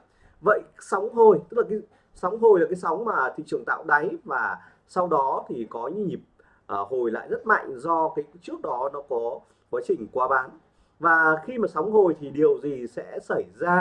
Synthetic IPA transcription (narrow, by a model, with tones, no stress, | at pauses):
və̰˧˨jsa˨˦wŋ͡mɦo˨˩jt̪ɨ˥k̚laː˨˩kːa˨˦ | sa˨˦wŋ͡mɦo˨˩jlaː˨˩kaː˨˦jsa˨˦wŋ͡mmaː˨˩t̪ḭ˧˨ŋt͡ɕɨ˧˩ŋt̪a̰ː˧˨wɗa˨˦jvaː˨˩ | sa˧wɗɔ˨˦t̪ʰi˨˩kɔ˨˦ɲɨ˧˦ɲi˨˩p̚ | ʔho˨˩jla̰ː˧˨jzə˦˥t̚ma̰˧˨jŋ̟zɔ˧kaː˨˦jt͡ɕɨ˦˥ək̚ɗɔ˨˦nɔ˨˦kɔ˨˦ | kwaː˨˦t͡ɕï˨˩ŋ̟kwaː˨˦ɓaː˨˦n | vaː˨˩xi˧maː˨˩sa˨˦wŋ͡mɦo˨˩jt̪ʰi˨˩ɗi˨˩əwzi˨˩sɛ̰˧˥sə˧˩jzaː˧